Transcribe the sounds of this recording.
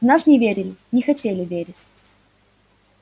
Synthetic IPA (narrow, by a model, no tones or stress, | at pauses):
vnasnʲɪvʲeɾʲɪlʲɪnʲɪxɐtʲelʲɪvʲeɾʲɪtʲ